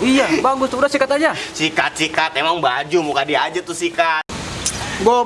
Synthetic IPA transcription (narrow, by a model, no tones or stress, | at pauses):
ijabaɡʊst̪uudasikat̪ad͡ʒasikat̪̚sikat̪emaŋbad͡ʒumukadiad͡ʒat̪ʊsika | bo